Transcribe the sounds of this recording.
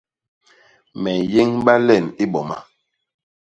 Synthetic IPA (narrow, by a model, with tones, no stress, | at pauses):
mɛ˨je˦ŋɓa˦lɛ˦˨ni˦ɓɔ˨ma˦